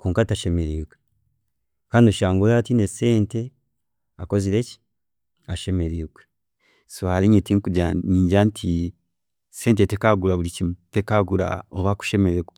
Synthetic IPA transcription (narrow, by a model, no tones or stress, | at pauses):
koːŋkataʃe̞meɾiːɡwe | kaːnduʃaːŋɡulatineseːnte̞ | ako̞ziɾeci̥ | aʃe̞meɾiːɡwe | soaliɲitiŋkuɟaɲiːɲɟantʰi | se̞ːnt̬etekaɡuɾaβuɾicimutekaɡuɾa̰oβaku̥ʃe̞meɾeɡe